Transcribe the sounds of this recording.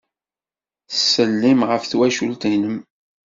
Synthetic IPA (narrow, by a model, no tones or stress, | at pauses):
θəsːəlːimʁəfθwæʃult̪inəm